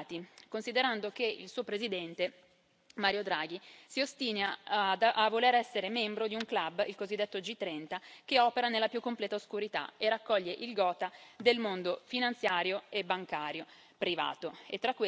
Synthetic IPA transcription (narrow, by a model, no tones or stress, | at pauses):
t̪ikonsid̪eɾand̪ok̟eḭlsuːopɾezid̪ɛnt̪e | maːɾjod̪ɾaːɡ̟isiost̪iːna | avːoleɾɛsːeɾemɛmbɾod̪iuŋklabilkozid̪ːet̪ːod͡ʒit̪ːɾɛnt̪ak̟eɔːpeɾanelːapjukːomplɛːt̪aoskuɾit̪a̰erakːɔʎːeʔilɡɔːt̪ad̪elmond̪ofinant̪sjaːɾjoebːaŋkaːɾjo | pɾiva̰ːt̪oet̪ːɾakːwe